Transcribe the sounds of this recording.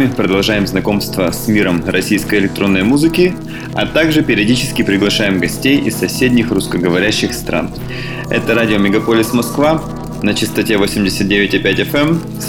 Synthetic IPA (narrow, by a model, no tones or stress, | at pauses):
ɪpɾəd̪ɐlˠʐajɪmznɐko̞mst̪vəsmʲiɾəmɾɐsʲijskəjɪlʲɪk̚t̪ɾo̞nːəjmuzɨkʲɪ | ɐ̰t̪aɡʐɨpʲɪɾʲɪɐdʲit͡ɕɪskʲɪpɾʲɪɡlˠɐʂajɪmɡɐsʲtʲejɪ̰sːɐsʲedʲnʲɪxrʊskəɡəvɐɾʲæɕːɪxst̪ɾʔa̰n | ɛ̰t̪əɾadʲɪomʲɪɡɐpo̞lʲɪsmɐskva | nət͡ɕɪst̪ɐtʲe̞vo̞sʲɪmʲdʲɪsʲət̪̚dʲevʲɪtʲɪpʲætʲɛfɛm | s